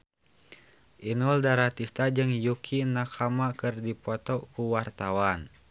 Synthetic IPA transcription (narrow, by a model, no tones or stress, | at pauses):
ʔinuldaɾat̪ist̪ad͡ʒɨŋjukʰinakʰamakɨrdipɔt̪ɔkuwart̪awan